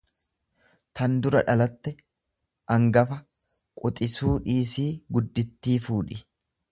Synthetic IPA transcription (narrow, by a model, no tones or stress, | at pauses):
t̪ɐnd̪ʊɾɐᶑɐlɐt̪ːɛ | ʔɐŋɡɐfɐ | kʼʊt̪ʼɪsuːᶑiːsiːɡʊd̪ːɪt̪ːiːfuːᶑɪ